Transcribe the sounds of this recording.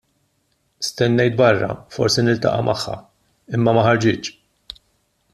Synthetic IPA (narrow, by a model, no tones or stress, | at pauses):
st̪ɛnːɛjt̪̚bɐrːɐ̰fɔɾsinɪlt̪ɐ̰ʔɐ̰mʔɐħːɐ̰ | ɪmːɐmɐħɐɾd͡ʒɪːt͡ʃː